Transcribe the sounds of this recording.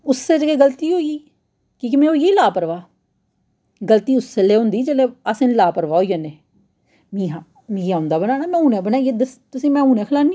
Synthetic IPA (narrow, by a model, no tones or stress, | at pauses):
ʊsːeːd͡ʒəɡeːɡəlt̪iːɦoːiiː | kiːkɪmɛ̃ːoːjeːlaːpəɾʋaː | ɡəlt̪iːʊsːeːleːɦʊ̃nd̪iːd͡ʒeleːasɪnlaːpəɾʋaːoːijəneː | mĩːɦa | mĩːãːʊ̃nd̪aːbənaːɽaːmɛ̃ːuːnɛ̃ːbənaːed̪əst̪ʊsĩːmɛ̃ːũːnɛːkʰəlaːni